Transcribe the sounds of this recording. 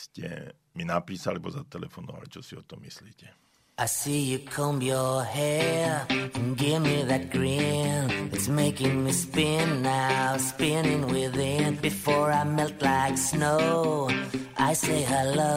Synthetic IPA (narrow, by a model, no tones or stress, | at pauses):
scɛ̰ | minapiːsalɛbɔzat̪ɛlɛ̰fɔnɔ̰ʋa̰lit͡ʃɔsiɔt̪ɔmːisliːcɛ | ʔaɪsijɨkʰõmbjəhɛ | ɨ̃nɡɪvmiðɨt̚ɡ̥ɹɪnɨtsmeɪkɪ̃ŋmispɪ̃nːaʊʊʊspɪ̃nɪ̃ŋwɪðɪ̃nbɨfɔɹaɪmɛlˠtˡlaɪksnoʊ | ʔaɪseɪɦə˞lʌ